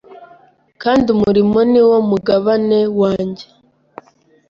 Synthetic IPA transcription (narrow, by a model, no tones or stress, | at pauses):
kaːndiumuɾimo̞niwo̞muɡaβane̞waːɲɟe